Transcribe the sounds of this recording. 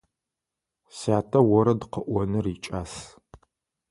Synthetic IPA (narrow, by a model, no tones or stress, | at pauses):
saːtʰɐwɔɾɐdɨqəʔʷɔnɨriːt͡ʃʼaːs